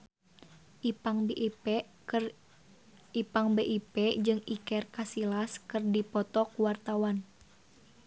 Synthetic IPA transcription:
aŋ | ipaŋbeʔipɛd͡ʒɨŋikɛrkasilaskɨrdipɔt̪ɔkuwart̪awan

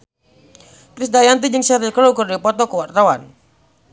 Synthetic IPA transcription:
kɾisdajant̪̬id͡ʒɨŋsaɾiklɔkɔrdipɔt̪ɔkuwart̪awan

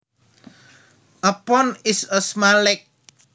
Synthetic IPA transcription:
ʔəpɔnɪsəsmalɪk̚

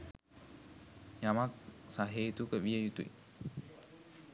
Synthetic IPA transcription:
jamak̚saɦeːt̪ukəʋiejut̪ṵi

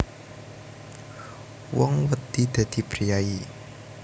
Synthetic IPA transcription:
wɔŋwət̪id̪̥a̤d̪̥i̤pɾijai

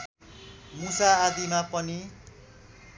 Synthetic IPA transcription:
musaːd̪imapʌni

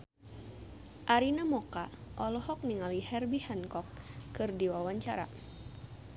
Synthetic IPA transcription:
ʔaɾinamɔkaʔɔlɔhɔk̚niŋalihɛrbihɛnkɔkːɨrdiwawaɲt͡ʃaɾa̰

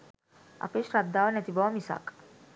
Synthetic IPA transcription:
a̰peɕɾab̚d̪aʋənat̪ibɔʋamisa̰k

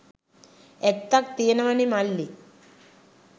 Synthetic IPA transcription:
ek̚t̪ːak̚t̪eːnɐʋɐnimalːi

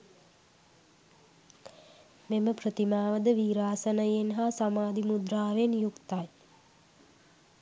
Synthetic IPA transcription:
meməprət̪imaːʋəd̪əʋiːɾaːsənəjenɦasamaːd̪imud̪ɾaːʋenjukt̪aj

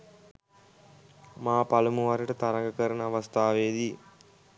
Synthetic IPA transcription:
maːpalumuʋaɾəʈət̪aɾɐŋɡəkəɾənəaʋɐst̪ʰaːʋeːd̪i

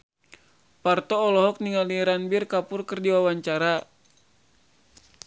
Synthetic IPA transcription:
part̪ɔːlɔɦɔk̚niŋaliɾanbirkapʊrkɨrdiwawaɲt͡ʃaɾa

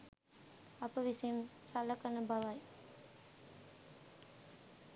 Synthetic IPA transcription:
ɐpəʋisɐjm | sɐlɐkɐnɐbɐʋɐj

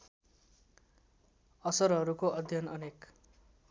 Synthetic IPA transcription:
ʌsʌɾɦʌɾukoʔʌd̪ʱjʌnʌnek

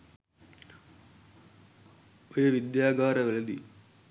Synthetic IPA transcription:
oɾuʋid̪jaːɡaːɾɐʋelɐd̪ḭ

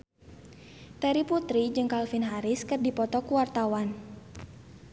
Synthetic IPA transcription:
t̪ɛɾiput̪ɾid͡ʒɨŋkalfinɦaɾɪskɨrdipɔt̪ɔkuwart̪awan

